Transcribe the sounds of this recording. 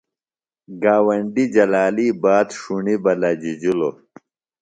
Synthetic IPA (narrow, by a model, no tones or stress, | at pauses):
ɡaːwɐɳɖid͡ʑɐlaːliːbaːd̪ʂuɳibɐlad͡ʑid͡ʑilo